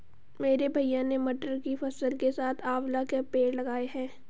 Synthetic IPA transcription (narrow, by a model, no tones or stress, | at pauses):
meːɾebʱɐijãnemɐʈəɾkifɐsəlkesaːt̪ʰaːʋlakepeːɽlɐɡaːeɦɛ̃ː